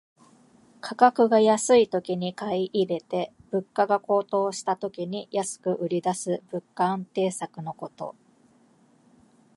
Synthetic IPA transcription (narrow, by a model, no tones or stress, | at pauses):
kʰakakɯ̟ɡajasɨit̪o̞kʲiɲ̟ikaiʔiɾe̞t̪e̞b̥ɯ̟kːaɡako̞ːt̪o̞ːɕi̥t̪at̪o̞kʲiɲ̟ijasɨ̥kɯ̟ʔɯ̟ɾʲid̪asɨbɯ̟kːaãnt̪e̞ːsakɯ̟no̞ko̞t̪o̞̰